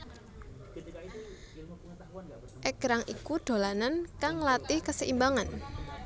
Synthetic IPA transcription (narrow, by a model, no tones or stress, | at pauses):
ʔɛɡ̥ɾaŋʔḭkuɖ̪̥o̤lanankaŋlat̪ɪhkəsəʔimbaŋan